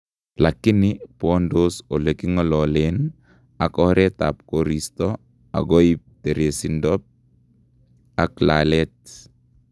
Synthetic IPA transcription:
lakːɪnɪpɔndosolekiŋɔlɔlen | akɔɾɛt̪a̰p̚koɾistɔ | a̰ɡɔip̚teɾesindɔp̚ | aklalɛt̚

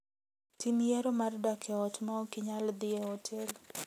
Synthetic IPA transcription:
tinjɛɾomardakʰɛɔtmakɪɲald̪ɪɛɔtʰɛl

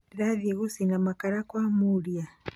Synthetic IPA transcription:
ɾaðjɛɣusinamakaɾakwamuɾja

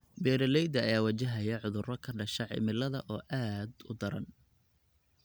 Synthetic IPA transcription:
bɛːɾɐlɛjd̪ɐ̰ːjaːwɐt͡ʃɪɦɐjɐʕʊðʊrɔkʰɐɖɐʃɐʕɪ̰mɪlɐðɐʔɔːʔaːd̪ʊ̰d̪ɐɾɐ̰n

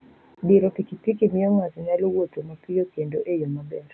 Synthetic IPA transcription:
biɾɔpikipikimiɔŋazɪɲalowotomapɪjɔkendoʔejɔmabɛɾ

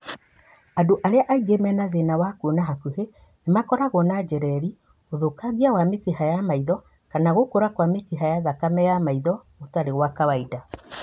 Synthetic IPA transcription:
adoʔaɾeaʔaiɣemɛnaðenawakuonaɦakuhe | nemakɔɾaɣɔnad͡ʒɛɾɛɾi | oðokaɣiawamekehajamaiðɔ | kanaɣokoɾakwamekeɦajaðakamɛjamaiðɔ | otaɾeɣwakawaida

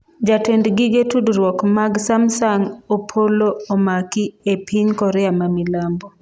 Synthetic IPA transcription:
d͡ʒatɛndɡiɡetudɾwɔkmaɡsamsaŋopʰoloomakiepʰiŋkɔɾɛamamilambɔ

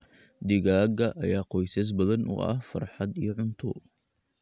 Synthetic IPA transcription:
d̪ɪɣaːɡɐʔɐjaːqɔjsɐs̬bɐðɐnʔʊ̰ʔɐ̰hfɐ̰rħɑd̪ijɞʕʊnt̪ʰʊ̰

